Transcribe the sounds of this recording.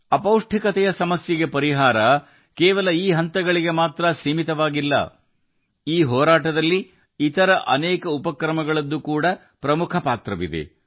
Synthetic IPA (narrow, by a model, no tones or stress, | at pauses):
ɐpɐwʂʈʰikɐt̪ɛjɐsɐmɐsjɐɡe̞pɐɾiɦaːɾɐ | kɛːʋɐlɐiːɦɐnt̪ɐɡɐɭiɡe̞maːt̪ɾɐsiːmit̪ɐʋaːɡilːɐ̰ | iːɦɔːɾaːʈɐd̪ɐlːi | it̪ɐɾɐʔɐ̰nɛːkɐupɐkɾɐmɐɡɐɭɐd̪ːukuːɽɐ | pɾɐmukʰɐpaːt̪ɾɐʋḭd̪e̞̰